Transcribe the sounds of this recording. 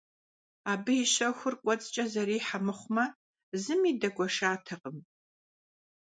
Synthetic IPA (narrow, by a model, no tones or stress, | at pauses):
aːbɨjɪɕɐxʷʊrkʷʼɔt͡sʼt͡ʃʼɐzɐɾiːħamɨχʷmɐ | zɨmiːdɐɡʷɔʃaːtʰɐqʼəm